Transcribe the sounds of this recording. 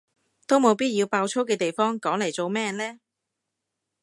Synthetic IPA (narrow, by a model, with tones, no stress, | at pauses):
t̪o˥wmo˨˧wpiː˥t̚jiː˧wpaː˧wt͡sʰo˥wkɛː˧t̪e˨jfɔː˥ŋkɔː˨˥ŋlɐ˨˩jt͡so˨wmɛː˥˨nlɛː˥